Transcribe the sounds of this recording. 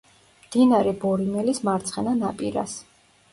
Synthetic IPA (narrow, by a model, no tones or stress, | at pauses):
md̪̥inaɾɛbɔɾimɛlismaɾt̪sʰχɛnanapʼiɾa̰s